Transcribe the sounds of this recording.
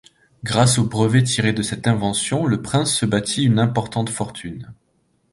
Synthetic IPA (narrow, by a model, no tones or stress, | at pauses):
ɡʁasobʁəvet̪ʰiʁed̪əsɛt̪ɛ̃vɑ̃sjɔ̃ləpχɛ̃sːəbat̪ʰiynɛ̃pɔʁt̪ɑ̃t̪fɔʁt̪ʰyn